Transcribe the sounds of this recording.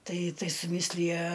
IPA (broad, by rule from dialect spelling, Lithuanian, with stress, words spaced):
ˈtɐɪ ˈtɐɪ sʊˈmʲɪsʲlʲɪjɛ